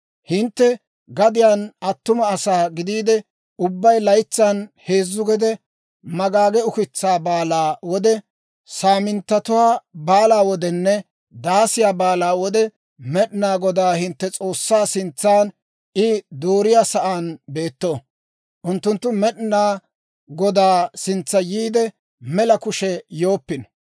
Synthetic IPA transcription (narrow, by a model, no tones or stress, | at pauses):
hɪnt̪ːɛ | ɡɐd̪ɪjaːnɐt̪ːʊmɐːsaːɡɪd̪iːd̪ɛ | ʊbːɐjlɐjt͡sːanhe̞ːzːʊɡɛd̪ɛ | mɐɡaːɡɛʊkɪt͡sːaːbaːlaːwɔd̪ɛ | saːmɪnt̪ːɐt̪ʊwaːbaːlaːwɔd̪ɛnːɛ | d̪aːsɪjaːbaːlaːwɔd̪ɛ | mɛɗɪnaːɡɔd̪aːhɪnt̪ːɛt͡sʼo̞ːsːaːsɪnt͡sːaːn | ʔɪd̪oːɾɪjaːsɐʔaːnbe̞ːt̪ːoː | ʔʊnt̪ːʊnt̪ːʊmɛɗnaː | ɡɔd̪aːsɪnt͡sːɐjiːd̪ɛ | mɛlɐkʊʃɛjo̞ːpːɪnɔ̥